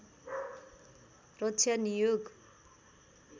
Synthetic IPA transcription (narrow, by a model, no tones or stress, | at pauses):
rʌt̪t͡sʰjanijoɡ